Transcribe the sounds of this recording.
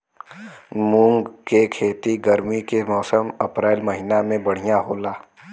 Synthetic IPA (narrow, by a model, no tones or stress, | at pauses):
mʊ̃ŋɡkekʰeːt̪iɡəɾmikemɔːsəmɐpɾeːlmɐɦiːnamẽbɐɽ̤ijaɦoːlaː